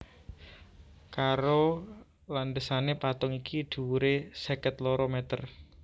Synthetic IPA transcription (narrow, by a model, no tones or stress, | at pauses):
kaɾo | land̪əsanepat̪ɔŋikid̪̥ṳuɾesɛkət̪loɾomɛt̪ər